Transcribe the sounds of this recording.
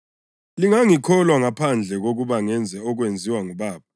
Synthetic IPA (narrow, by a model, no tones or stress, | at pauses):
liŋaŋikʰɔlwaŋapʰand͡ɮʱɛɣ̬ok̬uɓaŋɛnd͡zʱɛɔk̬wend͡zʱiwaŋuɓaːɓa